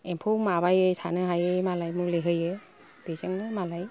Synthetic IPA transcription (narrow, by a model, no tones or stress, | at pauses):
empʰowmabajɯjtʰanɯɦajɯjmalajmuleɦɯje | b̥ezɯŋnɯmalaj